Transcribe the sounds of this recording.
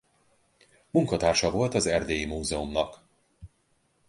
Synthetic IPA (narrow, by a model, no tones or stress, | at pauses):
muŋkɒt̪aːrʃɒvo̞lt̪ɒzɛrd̪eːjimuːzɛomnɒk